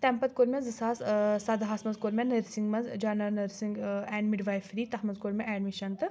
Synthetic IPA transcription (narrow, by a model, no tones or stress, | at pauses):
t̪ɛmpɐt̪̚koɾmʲɛzɨsaːssɐd̪ɦaːsmɐnzkoɾmʲenɐɾsiŋɡmɐzd͡ʒaːnɐɾnɐɾsiŋɡɛːnmiɖʋajfɾiːt̪ɐhmɐzkoɾmʲɛʔɛːɖmiʃɐnt̪ɨ